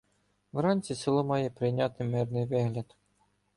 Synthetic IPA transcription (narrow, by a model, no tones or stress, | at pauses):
ʋɾɑnʲt͡sʲisɪlˠɔmɑjɛpɾɪjnʲɑt̪ɪmɪrnɪjʋɪɦlʲɐd̪